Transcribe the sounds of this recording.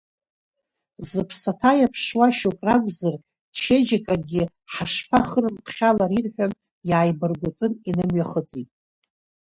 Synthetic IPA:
zɨpʰsatʰajapʰʂwaʃokʼrakʷʼzar | t͡ʃʰed͡ʒakʼaɡʲɪ | ħaʂpʰaχərɨmpʰχʲalaɾirħʷᶣan | jaːjbɨrɡʷʊtʼɨninɨmɥaχət͡sʼitʼ

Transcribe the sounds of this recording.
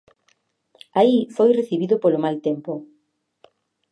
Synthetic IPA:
aifojreθiβiðʊpolomalt̪empo

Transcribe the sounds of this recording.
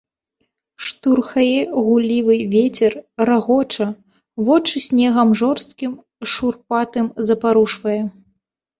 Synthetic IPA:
ʂt̪urxɐjɛɣulʲivɨvʲet͡sʲɛrraɣɔt͡ʂɐ | vɔt͡ʂɨsʲnʲɛɣɐmʐɔrst̪kʲim | ʂurpat̪ɨmzɐpaɾuʂvɐjɛ

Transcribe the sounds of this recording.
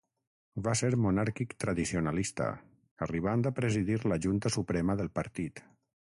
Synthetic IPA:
baseɾmunaɾkikt̪ɾəðisionalist̪ə̰ | əriβ̞and̪apɾəziðiɾləʒunt̪əsupɾɛməðəlˠpəɾt̪it̪

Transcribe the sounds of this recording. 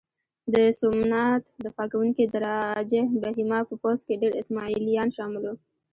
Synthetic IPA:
d̪əsʊmnat̪d̪əfɑkawuŋkid̪əɾɑd͡ʒehbaɦimɑpəpozkeɖeɾɪsmɑilijɑnʃɑmɪlo

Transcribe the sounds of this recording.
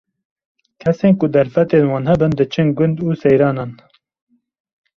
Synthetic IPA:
kʰɛseːnkʊd̪ɛɾfɛt̪eːnwɑːnhɛbɨnd̪ɨt͡ʃʰɨnɡʊnd̪uːsɛjɾɑːnɑːn

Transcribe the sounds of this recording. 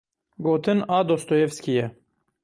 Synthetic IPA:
ɡoːt̪ʰɨnɑːd̪oːst̪ojevskijɛ

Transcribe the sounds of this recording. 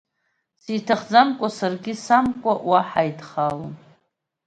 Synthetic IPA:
sitʰaχd͡zamkʷʼasarɡʲɪsamkʷʼaʔwaħajdχalon

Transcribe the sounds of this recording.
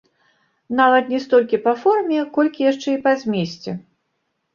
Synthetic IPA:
navɐt̪nʲɛst̪ɔlʲkʲipɐfɔrmʲɛkɔlʲkʲijaʂt͡ʂɛipazʲmʲesʲt͡sʲɛ

